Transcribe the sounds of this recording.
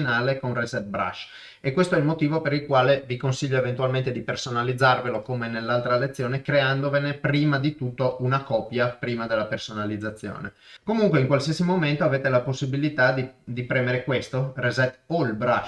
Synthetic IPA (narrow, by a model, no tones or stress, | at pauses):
naːlekonrɛzɛt̪̚bɾa̰ʃ | ekːwest̪oɛilmot̪iːvopeɾilkwaːlevikonsiʎːoevent̪ualment̪ed̪ipersonalid̪zːarvelokomenelːalt̪ɾalet̪sːjoːnekɾeand̪ovenepɾiːmad̪it̪ut̪ːounakɔpːjapɾiːmad̪elːapersonalid̪zːat̪sːjo̰ːnḛ | komuŋkweiŋkwalsiasimoment̪oaveːt̪elaposːibilit̪ad̪id̪ipɾɛːmeɾekwest̪orɛzɛt̪olbɾaʃ